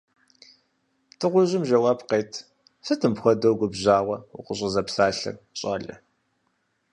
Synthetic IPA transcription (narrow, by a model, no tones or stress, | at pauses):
tʰɨʁʷʊʑɪmʒɐwaːbqeːtʰ | sɨtʰɨmpxʷɔdɐwɡʷʊbʑaːʁʷɐṵqʷəɕ̬ʼɪzɐpsaːɬɨ̰r | ɕʼɐɮɐ̰